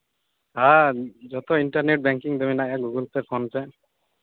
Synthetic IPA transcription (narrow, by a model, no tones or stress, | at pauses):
had͡ʒɔt̪ɔiɳʈaɾneʈ̚bɛŋkiŋd̪ɔminaʔjaɡuɡɔlt̪ɛpʰɔnpɛ